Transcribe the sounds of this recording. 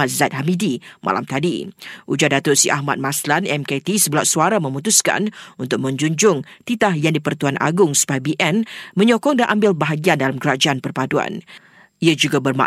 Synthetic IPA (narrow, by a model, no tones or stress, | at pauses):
at̪̚zat̪̚ɦamidimʔa̰la̰mt̪adiʔud͡ʒadat̪ʊt̪̚siʔa̰hma̰t̪̚maslanɛmket̪isəbəlaʔsuaɾamə̃mut̪uska̰nunt̪ʊk̚mə̃ɲd͡ʒuɲd͡ʒʊŋt̪it̪ahjaŋdipərt̪uanʔa̰ɡʊŋsu̥pabiʔɛnmə̃ɲɔkɔŋdaʔambɪlbaɦaɡiandalamkəɾad͡ʒaʔanpərpadua̰n | ʔiad͡ʒuɡabərma̰